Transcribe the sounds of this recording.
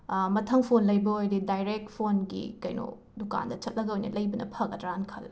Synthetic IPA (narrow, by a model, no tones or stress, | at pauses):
mɐtʰɐŋpʰonlɐjbɐojdidajɾek̚tpʰonɡḭkɐjno̰ | duka̰ndɐt͡ʃɐt̚lɐɡɐojnɐ̰lɐjbɐnɐ̰pʰɐɡɐtɾankʰɐl